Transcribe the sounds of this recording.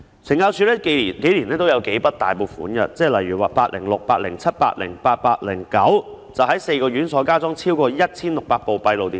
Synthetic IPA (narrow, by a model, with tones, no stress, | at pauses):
t͡sʰɪ˨˩ŋkaː˧wt͡sʰyː˨˧lɛː˥ki˨˩nke˨˥jliː˨˩nɛː˥t̪o˥wjɐ˨˧wke˨˥jpɐ˥t̚t̪a̰ː˨jpo˨˩wfṵː˨˥nɡɐ̰˨t͡sɛː˥lɐ˨jɥyː˨˩waː˨paː˧t̚lɪ̰˨˩ŋlʊ˨k̚paː˧t̚lɪ˨˩ŋt͡sʰɐ˥t̚pa̰ː˧t̚lɪ̰˨˩ŋpaː˧t̚paː˧t̚lɪ˨˩ŋkɐ˨˥wt͡sɐ˨wɦɐ˨˥jse˧jkɔː˧ɥyː˨˥nsɔː˨˥kaː˥t͡sɔ˥ŋt͡sʰiː˥wkɔː˧jɐ˥t̚t͡sʰiː˥nlʊ˨k̚paː˧k̚po˨wpɐ˧jlo˨wt̪iː˨